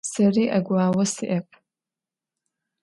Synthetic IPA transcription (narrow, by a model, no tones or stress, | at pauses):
sɐriːʔɐɡʷaːwɐsiʔɐp̚ʼʰ